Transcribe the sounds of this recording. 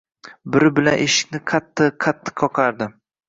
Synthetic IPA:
bɪɾɪbɪla̰nʔeʃɪ̥kʲnɪqʰat̪ʰːɪqʰːat̪ʰːɪ̥qʰːɒqʰɑɾd̪ɪ

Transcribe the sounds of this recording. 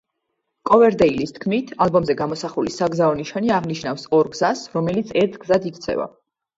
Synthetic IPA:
kʼɔvɛɾd̪ɛilist̪ʰkʰmit̪ʰalˠbɔmzɛɡamɔsaχulisaɡzaɔniʃaniaʁniʃnafsɔɾɡzasɾɔmɛlit̪sʰɛɾt̪ʰɡzad̪ik̚ʰt̪sʰɛ̰va̰

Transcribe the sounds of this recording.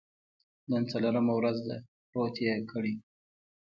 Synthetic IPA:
nənt͡saloɾamawɾazd̪a | pɾot̪jekʰəɽi

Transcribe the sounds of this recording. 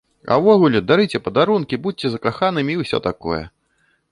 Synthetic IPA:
ɐ̰wvɔɣulʲɛd̪aɾɨt͡sʲɛpɐd̪aɾunkʲibut͡sʲɛzɐkaxanɨmʲiwsʲɔ̰t̪akɔ̰jɛ̰

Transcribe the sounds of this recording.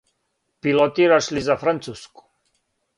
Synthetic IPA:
pilɔt̪iɾaʃlizafɾant̪susku̥

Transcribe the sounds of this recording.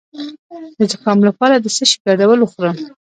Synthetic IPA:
d̪əd̪aqɑmlapɑɾad̪əsəʃi̥ɡɑd̪awəloxɾə

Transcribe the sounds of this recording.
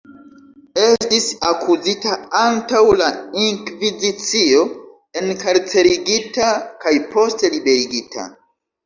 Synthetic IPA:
e̞stisakʰuzitaantawlaiŋkvizit͡sio̞ | e̞nkaɾt͡se̞ɾiɡitakajpo̞stelibe̞ɾiɡitʰa̰

